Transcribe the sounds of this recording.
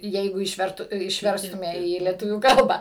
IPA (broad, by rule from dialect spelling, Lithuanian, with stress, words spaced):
ˈjɛɪɡʊ ɪʃʲˈʋʲɛrtʊ ɪʃʲˈʋʲɛrstʊmʲɛ iː lʲiɛˈtʊʋʲuː ˈkɐlˠbɑː